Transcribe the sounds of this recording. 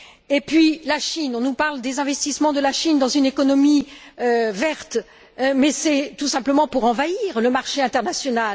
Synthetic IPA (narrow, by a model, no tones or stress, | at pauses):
epɥilaʃinɔ̃nupaʁld̪ezɛ̃vɛst̪ismɑ̃d̪əlaʃind̪ɑ̃zynekɔnɔmiøvɛʁt̪ | mɛsɛt̪usɛ̃pləmɑ̃puʁɑ̃vaiʁləmaʁʃeɛ̃t̪ɛʁnasjɔnal